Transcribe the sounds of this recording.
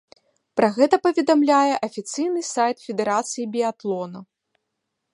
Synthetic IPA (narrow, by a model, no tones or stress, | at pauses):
pɾɐɣɛt̪ɐpɐvʲɛd̪amlʲajɛʔɐfʲit̪sɨjnɨsajt̪fʲɛd̪ɛɾat̪sɨjibʲiat̪lˠɔnɐ